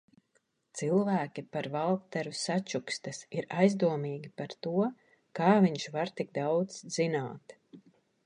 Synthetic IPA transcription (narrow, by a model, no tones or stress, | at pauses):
t̪silˠvæːkʲipaɾvalˠkt̪ɛɾusat͡ʃukst̪asiɾajzd̪uɔmiːɡʲipaɾt̪uɔ | kaːviɲʃvaɾt̪ik̚d̪awd̪zzina̰ːt̪